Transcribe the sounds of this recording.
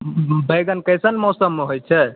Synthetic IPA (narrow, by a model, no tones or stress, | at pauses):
bəjɡənkəjsənmɔsəmːeɦojt͡ʃʰɛ